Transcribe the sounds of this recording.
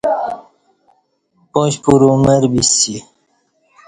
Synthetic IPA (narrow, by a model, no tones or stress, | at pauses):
poɕpuɾumeɾbisi